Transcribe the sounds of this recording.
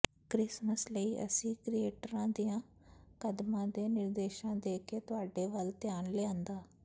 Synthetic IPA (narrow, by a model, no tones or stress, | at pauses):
kɾɪsməsləiːʔə̰sĩːkɾieːʈɾãːd̪ijãː | kəd̪mãːd̪eːnɪɾd̪eːʃãːd̪eːkeːt̪ʊaːɖeːʋəlt̪ɪjaːnleãːnd̪aː